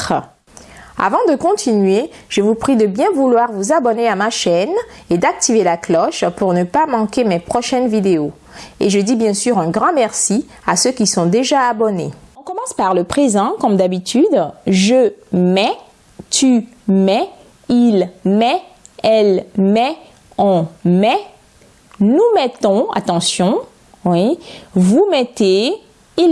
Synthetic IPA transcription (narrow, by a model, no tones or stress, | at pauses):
a̰vɑ̃d̪əkɔ̃t̪ʰinɥeʒ̥əvupχid̪əbjɛ̃vulwaʁvuzabɔneamaʃɛned̪ak̚t̪ivelaklɔʃpuʁnəpamɑ̃kemepχɔʃɛnvid̪eo | eʒəd̪ibjɛ̃syʁɛ̃ɡʁɑ̃mɛʁsi | asøkʲisɔ̃d̪eʒaːbɔnḛɔ̃kɔmɑ̃spaʁləpχezɑ̃kɔmd̪abit̪yd̪ʒəmɛ | t̪ymɛ | ilmɛɛlmɛ | ɑ̃mɛ | numɛt̪ɔ̃a̰t̪ɑ̃sjɔ̃ | wivumɛt̪e | il